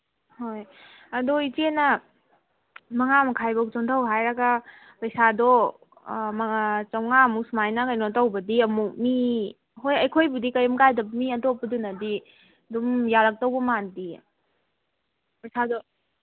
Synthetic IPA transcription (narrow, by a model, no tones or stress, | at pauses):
hoj | ɐdoitenɐ | mɐŋamɐkʰajbok̚t͡ʃuntʰawɦajɾɐɡa | pɐjsadɔ | mɐŋat͡ʃɐwŋaɐmuk̚sumajnɐkɐjnotɐwbɐdiɐmuk̚mi | ɦojɐjkʰojbudikɐjmkajdɐbmiɐtopːɐdunɐdi | dumjaɾɐk̚tawbɐmandi | pɐjsadɔ